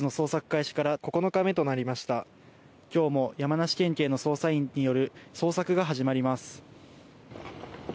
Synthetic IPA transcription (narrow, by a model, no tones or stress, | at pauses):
ɨno̞so̞ːsakɯ̟̥kaiɕi̥kaɾako̞ko̞no̞kame̞t̪o̞naɾʲimaɕi̥t̪a | kʲo̞ːmo̞jamanaɕi̥kẽ̞ŋke̞ːno̞so̞ːsaĩɲ̟ijo̞ɾɯ̟so̞ːsakɯ̟ɡaɦaʑimaɾʲimasɨ̥